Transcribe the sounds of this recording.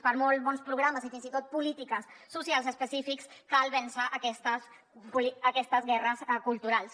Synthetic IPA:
pəɾmɔlˠt̪βɔnspɾuɣ̞ɾaməzifinzit̪ot̪̚pulit̪ikəsːusialˠzəspəsifikskalˠβɛnsəʔəkɛst̪əs | puliəkɛst̪əzɣɛrəskulˠt̪uɾalˠs

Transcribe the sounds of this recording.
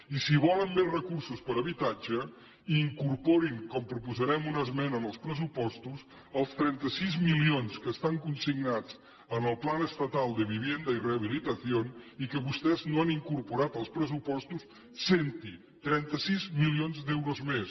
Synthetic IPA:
isiβɔləmberəkuɾsuspəɾəβit̪ad͡ʒə | iːŋkuɾpoɾiŋkɔmpɾupuzəɾɛmunəzmɛnəːnəlˠspɾəsupɔst̪us | əlˠst̪ɾɛnt̪əsizmilionskəːst̪aŋkunsiɡnat͡s | ənəlˠplanəst̪ət̪alˠd̪əβiβjend̪əireəβ̞ilit̪əθionikəβust̪ɛznoaniŋkuɾpuɾat̪əlˠspɾəsupɔst̪usː | ent̪i | t̪ɾɛnt̪əsizmilionzd̪ɛwɾozmes

